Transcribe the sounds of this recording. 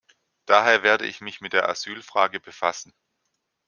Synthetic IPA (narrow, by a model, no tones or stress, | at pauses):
d̥aːɦeːɐveːɐdə̰ʔɪ̰çmɪçmɪt̚d̥eːɐʔazyːlfʁ̥aːɡəbəfasn̩